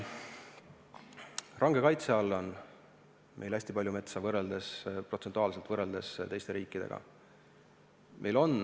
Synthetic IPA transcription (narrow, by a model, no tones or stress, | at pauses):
rɑŋɡe̞kɑjt̪seɑlːo̞n | mʔe̞jlæsʲt̪ipɑlʲjume̞t̪sɑvɤre̞ld̪esprot̪se̞nt̪uɑːlset̪vɤre̞ld̪̥e̞st̪e̞jst̪eɾiːkːˑid̪e̞ɡ̥ɑ̰ | mʔe̞jlo̞n